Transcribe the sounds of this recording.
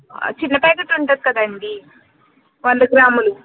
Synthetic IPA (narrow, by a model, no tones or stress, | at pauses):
t͡ʃinːɐpajkeʈːuɳʈɐd̪̚kɐd̪ɐɳɖi | ʋɐnd̪ɐɡɾaːmulu